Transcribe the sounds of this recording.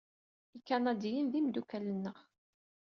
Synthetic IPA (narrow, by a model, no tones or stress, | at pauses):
ikːænæd̪ijənðimd̪ukælənːəʁ